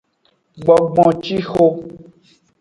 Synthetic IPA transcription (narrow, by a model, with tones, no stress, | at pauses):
ɡ͡bɔ˨ɡ͡bɔ̃˨t͡ʃi˦xo˦